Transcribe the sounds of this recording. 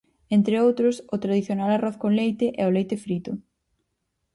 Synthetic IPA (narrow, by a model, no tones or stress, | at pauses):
ent̪ɾeowt̪ɾʊsʊt̪ɾaðiθjonalarɔθkõnlejt̪ɪʔɛʊlejt̪ɪfɾit̪ʊ